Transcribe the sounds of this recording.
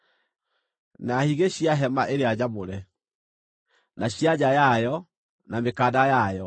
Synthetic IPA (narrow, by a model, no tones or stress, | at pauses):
nahiɣeɕiaɦɛmaʔeɾead͡ʑamoɾɛ | naɕiad͡ʑajajɔ | namekadajajɔ